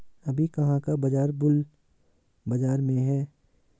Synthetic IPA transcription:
ɐbʱikɐɦãkabɐd͡ʒaːɾbʊl | bɐd͡ʒaːɾmẽɦɛː

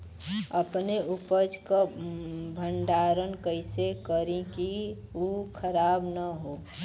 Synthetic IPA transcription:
əpneupəd͡ʒka | bʱəɳɖaːɾənkəɪsekəɾĩkiukʰəɾaːbnəɦoː

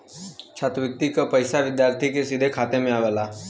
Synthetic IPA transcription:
t͡ʃʰat̪ʋɪk̚t̪ːikəpəjsaʋɪd̪jaɾt̪ʰikesid̪ʱekʰaːt̪emẽaʋela

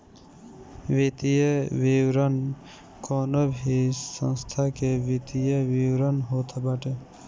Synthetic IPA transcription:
ʋit̪ijəʋiwɾən | konobʱisə̰̃nst̪ʰakeʋit̪ijəʋiwɾənɦot̪ʰbaʈe

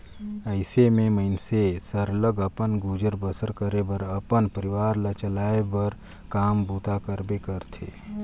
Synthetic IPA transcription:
əɪsemẽməɪnsesəɾləɡəpənɡud͡ʒəɾbəsəɾkəɾebəɾəpənpəɾɪʋaːɾlat͡ʃəlaːebəɾ | kaːmbuːt̪ʰakəɾbekəɾt̪ʰḛː

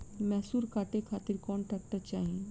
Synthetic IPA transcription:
mɛɦsuːɾkaːʈekʰaːt̪ɪɾkɔːnʈɾɛːk̚ʈəɾt͡ʃaːɦie

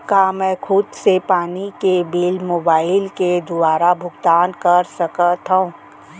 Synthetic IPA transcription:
kamɛ̃ːkʰʊd̪sepaːnikebeːlmoːbaːɪlked̪ʊaːɾabʱʊɡt̪aːnkɐɾsɐkət̪ɦã

